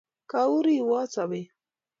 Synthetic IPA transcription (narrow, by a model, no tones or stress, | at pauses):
kauɾiwat͡sabe